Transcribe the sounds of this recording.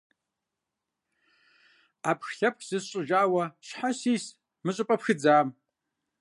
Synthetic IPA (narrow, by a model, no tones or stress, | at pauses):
apʰxɬʲap̚ʰkʲʰʼzɨzt͡ʃʷʼɨʒaːwaʃħasis | mɨt͡ʃʷʼɨpʼapʰxɨd͡zaːm